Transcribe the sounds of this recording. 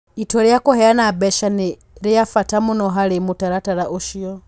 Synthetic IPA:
itɔɾijakuhɛanabɛʃani | ɾijafatamunɔɦalimutaɾataɾaʔuʃiɔ

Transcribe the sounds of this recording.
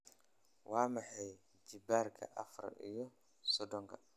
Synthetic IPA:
wʔaːmɐħɛj | d͡ʒɪbaːɾkʰɐ̰ʔɐfɾ̰ʔḭjɔ | sɔd̪ɔŋkʰɐ

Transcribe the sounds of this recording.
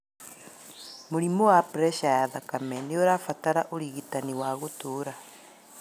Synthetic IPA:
moɾimowapɾɛʃajaðakamɛneoɾafataɾaʔoɾiɣitaniwaɣotoːɾa

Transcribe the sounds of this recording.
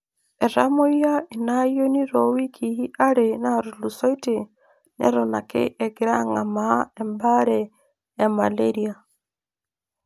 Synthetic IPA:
ɛɾamoijainajoniɾɔwikʰiiʔaɾenaɾulusɔite | nɛ̰ɾɔnakḛʔɛɡeɾaŋamaɛmbaɾɛː | malɛɾia

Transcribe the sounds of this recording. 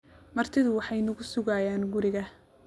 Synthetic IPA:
mɐrt̪ʰɪðʊwɑħɑjnʊɣʊsʊɣaːjaːnɡʊɾɪɣɐ

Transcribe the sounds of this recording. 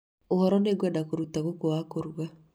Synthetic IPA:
ohɔɾɔneɡwadakoɾutaɣokoakoɾwa

